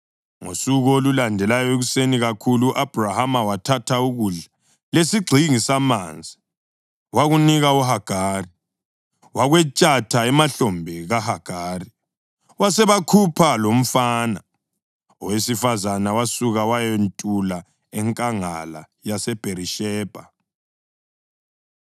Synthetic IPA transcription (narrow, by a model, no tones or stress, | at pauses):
ŋo̰suɣolulandʱɛlajɔeɣuseniɣakʰuluʔab̥ʱrahamawatʰatʰauɣuɮa | lesiɡ͡ǀʱiŋisamaːnd͡zʱi | waɣuniɣauɦaɡ̥ʱaːri | waɣwɛt͡ʃʼatʰaɛmaɬɔmbʱiɣahaɡ̥ʱaːri | wasɛβakʰupʰalom̩faːna | ɔwesifazanawasuɣawajentʼula | ɛŋkʼaŋa̰la̰ | jasɛb̥ʱeɾiʃɛːb̥ʱa